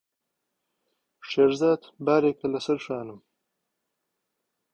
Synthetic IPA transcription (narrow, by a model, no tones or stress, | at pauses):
ʂeɾzaːd̪baːɾekɐlɐsɐɾʂaːnum